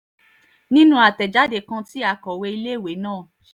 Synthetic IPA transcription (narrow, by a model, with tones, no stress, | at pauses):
nĩ˦nũ˦a˨tɛ˨d͡ʒa˨˦de˨kã˧ti˦a˧kɔ˨we˧i˧le˦˨we˨˦nãː˦˨